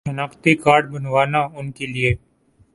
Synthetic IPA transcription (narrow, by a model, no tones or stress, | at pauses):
ənaːkt̪iːkaːɽbənʋaːnãːʊnkeːlɪeː